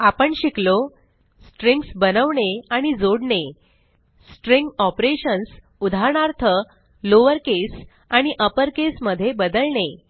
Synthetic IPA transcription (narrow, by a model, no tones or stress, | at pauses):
apəɳɕiklo | sʈɾiŋɡsbənəʋɳeaɽ̃id͡zoɽɳe | sʈɾĩŋɡɔpɾeɕəns | ud̪ʱaɾɳaɾt̪ʰə | loʋəɾkes | aɽ̃iʔəpəɾkesməd̪ʱjebəd̪əlɳe